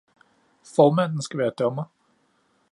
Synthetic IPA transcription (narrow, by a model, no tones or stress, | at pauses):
fɒːmæn̰n̩sɡ̥æʋæːɐd̥ɒ̽mɐ